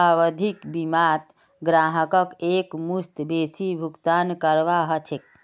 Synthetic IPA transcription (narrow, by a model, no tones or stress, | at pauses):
aʋəd̪ʱikbimat̪ | ɡɾaɦəkəkekmust̪besibʱukt̪ankəɾʋaɦət͡ʃʰek̚